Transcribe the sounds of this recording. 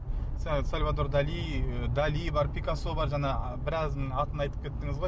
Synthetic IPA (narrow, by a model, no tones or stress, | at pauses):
ssalʲvad̪o̞ɾd̪ɑlijəd̪alijbɑɾpʲikaso̞bɑɾʒɑnɑ | bɪɾɑzd̪ɪɴɑt̪ənɑjt̪ə̥p̚kʲʰe̞t̪ːɪŋɪzʁoj